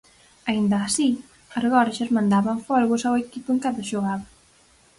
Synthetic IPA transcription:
aind̪aːsi | aɾɣɔɾʒazmãnd̪aβaɱfɔlɣusawekipueŋkaðaʒoɣaβɐ

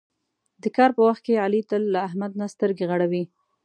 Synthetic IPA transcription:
d̪əkɑɾpəwaxt̪̚kealit̪əlːaːɦmad̪̚nast̪əɾɡeɣaɽawi

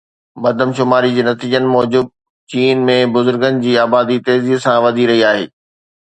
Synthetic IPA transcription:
bɐd̪ʱəmʃʊmaːɾid͡ʑiːnɐt̪iːd͡ʑənɪ̆mɔːd͡ʑʊb̪̚ | t͡ɕiːnmẽbʊzʊɾɡənɪ̆d͡ʑiːaːbaːd̪it̪eːziːɦsãʋɐd̪ʱiɾɐɦiaːɦḛː

